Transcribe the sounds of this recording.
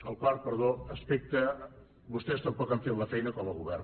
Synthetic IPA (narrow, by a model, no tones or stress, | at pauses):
əlˠkɔɾt̪̚pəɾðoəspek̚t̪ə | bust̪ɛst̪əmpɔkaɱfet̪ləfɛjnəkɔməlˠɣuβɛr